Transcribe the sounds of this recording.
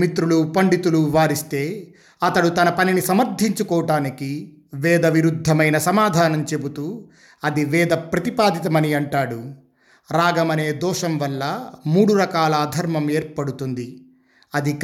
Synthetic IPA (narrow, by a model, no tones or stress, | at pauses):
mit̪ɾulupɐɳɖit̪uluʋaːɾist̪e̞ː | ɐt̪ɐɽut̪ɐnɐpɐninisɐmɐɾd̪ʱiɲt͡ʃukɔːɐʈaːniki | ʋɛːd̪ɐʋiɾud̪ʱːɐmɐjnɐsɐmaːd̪ʱaːnɐmt͡ʃe̞but̪uː | ɐd̪iʋɛːd̪ɐpɾɐt̪ipaːd̪it̪ɐmɐniɐɳʈaːɽu | ɾaːɡɐmɐne̞ːd̪ɔːʂɐmʋɐlːɐmuːɽuɾɐkaːlɐːd̪ʱɐɾmɐmeːɾpɐɽut̪und̪i | ɐd̪ik